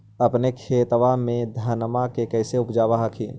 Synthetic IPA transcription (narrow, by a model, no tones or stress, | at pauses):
əpnekʰeːt̪ʋamẽd̪ʱənmakekɛɪseʊpd͡ʒaːbaɦakʰiː